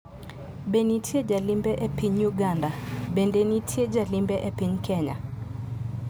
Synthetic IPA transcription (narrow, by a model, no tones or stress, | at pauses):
benitʰjed͡ʒalimbɛʔɛpiɲjuɡandabendenitʰjed͡ʒalɪmbɛʔɛpiɲkʰɛɲa̰